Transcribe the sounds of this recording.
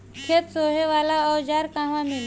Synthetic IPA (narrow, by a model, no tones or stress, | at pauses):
kʰet̪soɦeʋalaəwd͡ʑaɾkãʋamil